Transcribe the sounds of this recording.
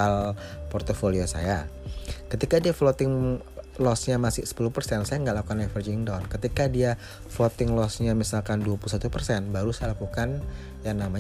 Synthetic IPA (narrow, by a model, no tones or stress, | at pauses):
alpɔrt̪ofoliosa̰jakət̪ikadiaflot̪ɪŋ | lɔsɲamasɪhsə̥puluhpərsɛnsajaŋɡaʔlakukanɛfərd͡ʒiŋdɔnkət̪ikadia | flot̪ɪŋlɔsɲamisalkanduapuusat̪upərsɛnbaɾusajalakukan | jaŋnamaɲ